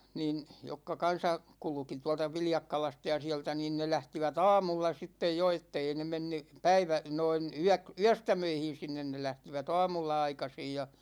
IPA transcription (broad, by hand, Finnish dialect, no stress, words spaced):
niːn jokːɑ kɑn̞sɑ kulŭki tuɑ̝ltɑ ʋiljɑkːɑlɑstɑ jɑ siæ̝ltæ niːn ne læhtiʋæt ɑ̝ːmulːɑ sitːej jo etːei ne menːy pæiʋæ noin yæk yæstæmøihin̞ sinːen ne læhtiʋæt ɑ̝ːmulːɑ ɑikɑsij jɑ